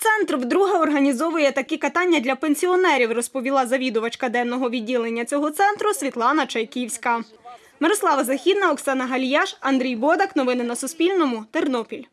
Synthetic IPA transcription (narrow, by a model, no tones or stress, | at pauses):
t̪sɛnt̪rwd̪ɾuɦɐɔrɦɐnʲizɔʋʊjɛt̪ɐkɛkɐt̪ɑnʲːɐd̪ʲlʲɐpenʲsʲiɔnɛɾʲiwrɔspɔʋʲilˠɑzɐʋʲid̪ʊʋɐt͡ʃkɐd̪ɛnːɔɦɔʋʲidʲːilˠenʲːɐt͡sʲɔɦɔt̪sɛnt̪ɾʊsʲʋʲit̪lˠɑnɐt͡ʃɐjkʲiwsʲkɐ | mɪɾɔslˠɑʋɐzɐxʲid̪nɐɔksɑnɐɦɐlʲjɑʃɐnd̪ɾʲijbɔd̪ɐknɔʋɪnɪnɐsʊspʲilʲnɔmʊt̪ernɔpʲilʲ